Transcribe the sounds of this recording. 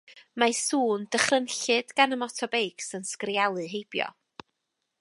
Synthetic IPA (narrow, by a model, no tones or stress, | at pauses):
masuːnd̥əχrənɬɨdɡ̥anəmɔtʰɔbejksənskrjalˠɨɦejb̥jɔ̰